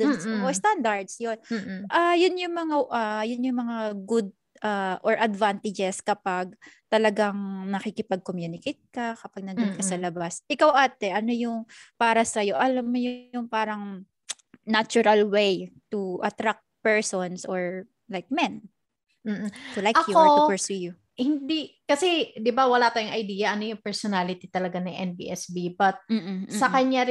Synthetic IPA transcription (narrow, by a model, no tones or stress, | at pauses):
d̪osʔost̪and̪ɐɹd̪sjonʔɐjʊnjʊŋmɐŋaʔajʊnjʊŋmɐŋaɡud̪̚ | ʔaʔɔɹʔɐd̪vant̪ɪd͡ʒɛskɐpaɡ̚t̪ɐlɐɡaŋnɐkikɪpɐɡ̚komjuːnɪkejt̪̚kɐkɐpaɡ̚nɐndd̪ʊnkɐsɐlɐbasʔɪkawʔaːt̪ɛʔɐnojʊŋpaːɾɐsɐjo̞ʔɐlamːojʊʊŋpaːɾɐŋ | nat͡ʃuɾɐlwejt̪uʔɐt̪ɾak̚t̪̚pɛɹsonsʔoɹ | lajk̚mɛn | m̩ːt̪ʊlajɐjuoʊpɛɹsuju | hɪnd̪ikɐsɛd̪ɪbawɐlat̪aːjʊŋʔɐjd̪iːjɐʔɐnojʊŋpɛɹsonalɪt̪it̪ɐlɐɡanɐjʔɛnbḭʔɛsbibɐt̪̚m̩ːssɐkɐɲaɾɪ